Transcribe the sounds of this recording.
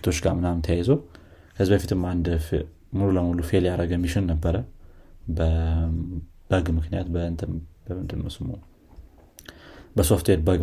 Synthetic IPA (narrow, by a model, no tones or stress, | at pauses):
t̪ʰo̞t͡ʃːɡaɾmɨnamnt̪ʰəjajɛzəw | kʰəzibəfit̪ʰɨmand̪ | mɨluləmulufeljaɾəɡmːiʃɪnnəbːəɾəbə | b̥əɡmɨknijat̪bənt̪ʰbəɨnd̪ɨnːowsɨmu | bəso̞ft̪ʰwed̪bəɡ